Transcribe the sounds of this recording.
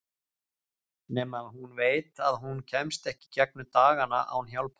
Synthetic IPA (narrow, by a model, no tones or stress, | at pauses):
nɛːmaðhunveːjt̪aðɦuncʰɛmst̪ɛhcɪ̥cɛk̚nʏt̪aːɣana̰ʔa̰wnɦjawlpʰa